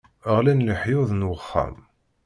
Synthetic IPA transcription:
əʁlænləħjʊðˤnwəχːæ̰m

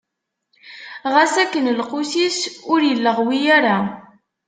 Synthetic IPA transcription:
ʁæsækːənlqʊsisʊɾjəlːəʁwijaɾa

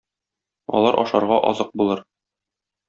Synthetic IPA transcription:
ɒ̰lˠɑɾʔɒ̰ʃɑɾʁɑʔɒ̰zɤq̚bulˠɤɾ

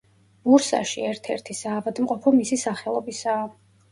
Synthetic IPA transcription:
muɾsa̰ʃiɛɾt̪ʰɛɾt̪ʰisaːvad̪mqʼɔpʰɔmisisaχɛlˠɔbisaː

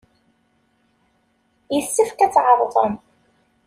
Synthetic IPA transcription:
jəθːəfkæt͡sːʕəɾˤðˤə̰m

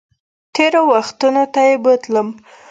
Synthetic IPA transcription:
t̪eɾowaxt̪unot̪ajebət̪ləm

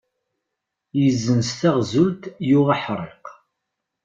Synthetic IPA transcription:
jəzːənst̪æʁzult̪jʊʁaħɾˤḛq

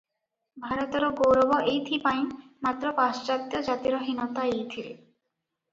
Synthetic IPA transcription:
bʱaɾɔt̪ɔɾɔɡowɾɔbɔʔejt̪ʰipaj̃mat̪ːɾɔpast͡ɕat̪jɔd͡ʑat̪iɾɔɦinɔt̪aejt̪ʰiɾḛ

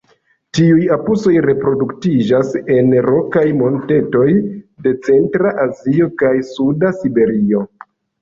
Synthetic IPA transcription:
tiujapuso̞jɾe̞pɾo̞duktid͡ʒase̞nɾo̞kajmo̞nte̞to̞jde̞t͡se̞ntɾaʔazio̞kajsudasibe̞ɾio̞

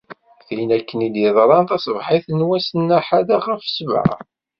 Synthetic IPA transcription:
θinækːənid̪jəðˤɾˤɑnt̪æsvħiθənwæsənːæħaðaχəfsv̰ʕ̰

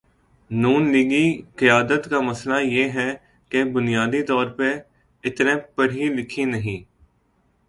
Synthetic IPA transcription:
nuːnliːɡikɪjaːd̪ət̪kamɐslajeːɦɛ | kebʊnijaːd̪it̪ɔːɾpe | ɪt̪nẽːpəɽ̤ilɪkʰĩnəɦĩː

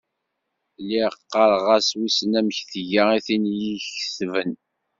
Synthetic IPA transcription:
lːiʁqːɑɾˤʁæswisnæmçθəʝaiθinjiçəsvən

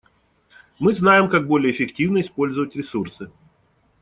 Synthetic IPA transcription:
mɨznajɪmkaɡ̚bo̞lʲɪjəːfʲɪktʲivnəɪspo̞lʲzəvətʲɾʲɪsursɨ

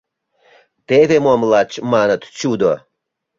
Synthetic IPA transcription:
t̪eβemomlɑt͡ɕmɑnət̪t͡ɕud̪o

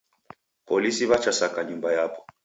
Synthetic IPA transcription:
pɔlisiβat͡ʃasakaɲumbajapɔ̥

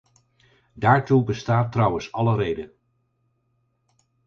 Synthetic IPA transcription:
daːɹtubəstaːtrɑwənsɑləɾejdən

